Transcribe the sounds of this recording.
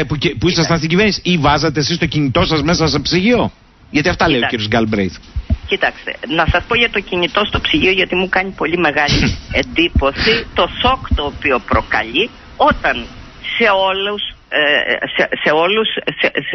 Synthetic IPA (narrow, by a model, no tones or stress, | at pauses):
pupuisɐst̪ɐnst̪iɟive̞ɾnisi̥ivɐzɐt̪esist̪o̞ciɲit̪o̞sɐzme̞sɐsepsiʝio̞ | ʝɐt̪iɐft̪ɐle̞jociɾiozɡɐlbɾejθcit̪ɐkst̪e̞̰nɐsɐspo̞ʝɐt̪o̞ciɲit̪o̞st̪o̞psiʝio̞ʝot̪imukɐɲipo̞ʎime̞ɣɐliend̪ipo̞sit̪o̞so̞kt̪o̞ːpio̞pɾo̞kɐ̰ʎi | o̞t̪ɐn | se̞o̞lus | sese̞o̞lusse